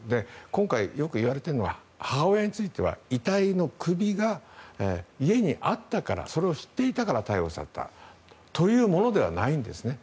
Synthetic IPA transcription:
d̪e̞kõ̞ŋkaijo̞kɯ̟iβaɾe̞t̪eno̞βa̰ | haojaɲ̟it͡sɨit̪e̞βa̰it̪aino̞kʰɯ̟bʲiɡa | ie̞ɲ̟iʔat̪ːakaɾa̰so̞ɾe̞o̞ɕi̥t̪ːe̞it̪akaɾat̪aio̞sa̰t̪ːa̰t̪o̞jɯ̟ːmo̞no̞d̪e̞β̞a̰naĩnd̪e̞sɨne̞

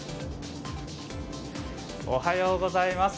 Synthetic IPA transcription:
o̰hajoːɡo̞zaimas

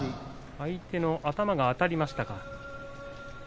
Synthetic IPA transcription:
ait̪e̞no̞ʔat̪amaɡaːt̪aɾʲimaɕi̥t̪aka

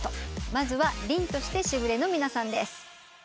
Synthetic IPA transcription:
t̪omazɨβaɾʲĩnt̪o̞ɕi̥t̪e̞ɕibɯ̟ɾe̞no̞mʲinasãnd̪e̞sɨ̥

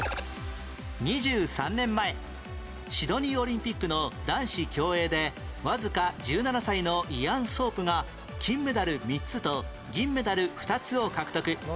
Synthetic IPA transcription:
ɲ̟iʑɨːsãnːẽ̞mːae̞ | ɕid̪o̞ɲ̟io̞ɾʲĩmpʲikːɯ̟no̞d̪ãɰ̃ɕikʲo̞ːe̞ːd̪e̞βazɨkad͡ʑɨːnanasaino̞ʔiãɰ̃so̞ːpɯ̟ŋa | kʲĩmːɯ̟d̪aɾɯ̟mʲitt͡sɨt̪o̞ | ɡʲĩmːed̪aɾɯ̟ɸɯ̟̥t̪at͡sɨo̞kakɯ̥t̪o̞kɯ̟

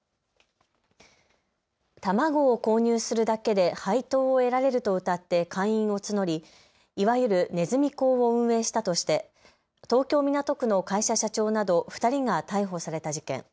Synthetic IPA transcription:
t̪amaɡo̞ːko̞ːɲ̟ɨːsɨɾɯ̟d̪ake̞d̪e̞hait̪o̞ːe̞ɾaɾe̞ɾɯ̟t̪o̞ɯ̟t̪at̪ːe̞kʰãɰ̃ĩɰ̃o̞t͡sɨno̞ɾʲi | iβajɯɾɯ̟ne̞zɨmʲiko̞ːβo̞ɯ̟̃ɰ̃e̞ːɕi̥t̪at̪o̞ɕi̥t̪e̞ | t̪o̞ːkʲo̞ːmʲinat̪o̞kɯ̟no̞kaiɕaɕat͡ɕo̞ːnad̪o̞ɸɯ̟̥t̪aɾʲiŋat̪aiɦo̞saɾe̞t̪aʑikḛ̃ŋ

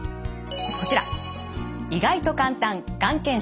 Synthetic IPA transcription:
ko̞t͡ɕiɾa̰ | iɡait̪o̞kãnt̪ãŋkãŋkẽɰ̃

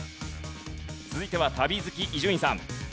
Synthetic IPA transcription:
t͡sɨzɨit̪e̞βat̪abʲizɨkʲiʔiʑɨɲĩsãm

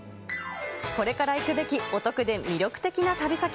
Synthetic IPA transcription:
ko̞ɾe̞kaɾaikɯ̟be̞kʲio̞t̪o̞kɯ̟d̪e̞mʲiɾʲo̞kɯ̟̥t̪e̞kʲinat̪abʲisakʲ

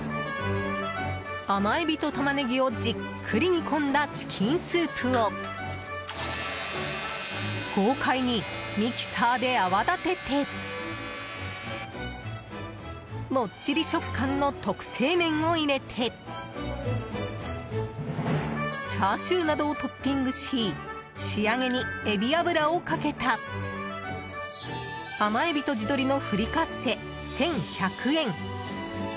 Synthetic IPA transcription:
amaibʲit̪o̞t̪amaneɡʲio̞d͡ʑikʰːɯɾʲiɲ̟ikʰõ̞nd̪at͡ɕi̥kʲʰĩɰ̃sɨːpʰɯo | ɡ̥oːkʰaiɲ̟imʲikʲi̥saːd̪e̞aβad̪at̪e̞t̪ʰe̞ | mo̞t͡ɕiɾʲiɕo̞kkːʰãnːo̞t̪o̞kɯ̟̥se̞ːmẽ̞ɰ̃o̞iɾe̞t̪ʰe̞ | t͡ɕaːɕɨːnad̪o̞ːt̪o̞pʲːĩŋɡɯ̟ɕiː | ɕiaŋe̞ɲ̟ie̞bʲiabɯ̟ɾaokake̞t̪a | amaebʲit̪o̞d͡ʑid̪o̞ɾʲino̞ɸɯ̟ɾʲikase̞ | sẽ̞ɰ̃çakʰɯ̟ẽ̞ŋ

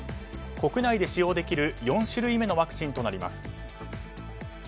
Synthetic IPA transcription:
ko̞kɯ̟naid̪e̞ɕijo̞ːd̪e̞kʲiɾɯ̟jõ̞ɰ̃ɕiɾɯ̟ime̞no̞βakɯ̟̥t͡ɕĩnt̪o̞naɾʲima̰sɨ̥

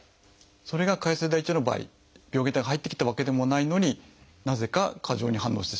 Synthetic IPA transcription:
so̞ɾe̞ɡakaisɨd̪ait͡ɕono̞ba̰ːḭ | b̥ʲo̞ɡet̪aɡaɦait̪ːe̞kʲi̥t̪aβake̞d̪e̞mo̞naino̞ɲ̟i | naze̞kakʰaʑo̞ːɲ̟iɦãnːoːɕi̥t̪eɕia

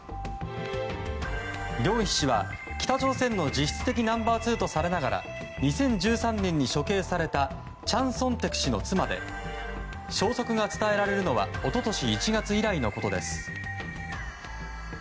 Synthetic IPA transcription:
ɾʲo̞ːçʲi̥ɕiβa̰ | kʲi̥t̪at͡ɕo̞ːsẽ̞nːo̞d͡ʑiɕi̥t͡sɨ̥t̪e̞kʲinãmbaːt͡sɨːt̪o̞saɾe̞naɡaɾa̰ | ɲ̟isẽ̞ɲ̟d͡ʑɨːsãnːẽ̞ɲ̟ːiɕo̞ke̞ːsaɾe̞t̪a | t͡ɕãɰ̃sõ̞nt̪e̞kɯ̟̥ɕino̞t͡sɨmad̪e̞̰ | ɕo̞ːso̞kɯ̟ɡat͡sɨ̥t̪ae̞ɾaɾe̞ɾɯ̟no̞βa̰o̞t̪o̞t̪o̞ɕiːt͡ɕiɡat͡sɨiɾaino̞ko̞t̪o̞d̪e̞̰sɨ̥

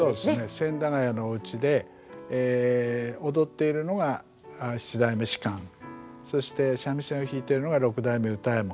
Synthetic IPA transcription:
so̞ːd̪esnesẽ̞nd̪aŋajanoɯ̟t͡ɕid̪e̞ː | od̪o̞t̪ːe̞iɾɯ̟no̞ɡa | ɕi̥t͡ɕid̪aimɯ̟ɕi̥kãŋso̞ɕi̥t̪e̞ɕamʲisẽoçiːt̪e̞iɾɯno̞ɡaɾo̞kɯ̟d̪aimeɯ̟t̪aemo

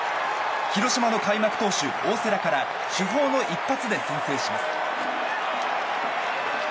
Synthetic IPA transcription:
çiɾo̞ɕimano̞kaimakɯ̟̥t̪o̞ːɕɨ | oːseɾakaɾa | ɕɨɦo̞ːno̞ʔipːat͡sɨd̪e̞sẽnse̞ːɕimasɨ̥

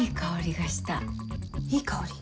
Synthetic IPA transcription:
ikaoɾʲiɡaɕi̥t̪a̰ | ikʰaoɾʲi̥

